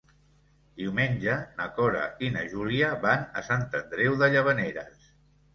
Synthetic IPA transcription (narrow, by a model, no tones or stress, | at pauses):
d̪iwmeɲʲd͡ʒənəkɔɾa̰inəʒuliaβanə̰sant̪ənd̪ɾewðəʎəβ̞əneɾəs